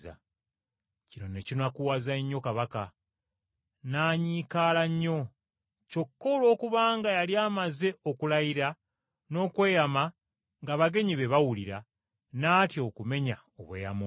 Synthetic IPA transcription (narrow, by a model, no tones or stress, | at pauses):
a̰ | cino̞necinakuwaːzaɲːo̞kaβaka̰ | naːɲiːkaːlaɲːo̞ | co̞kːo̞lo̞ːkuβaːŋɡajaliaːmaze̞okulajiɾa | no̞ːkwe̞ːjama | ŋɡaβaɡe̞ɲiβe̞βawuliɾa | naːtjo̞kume̞ɲa | o̰βwe̞̰ːja̰mo